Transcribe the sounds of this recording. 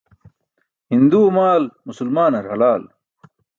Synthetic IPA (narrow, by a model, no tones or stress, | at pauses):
hind̪uːmaːlmusulmaːnɐɾhɐlaːl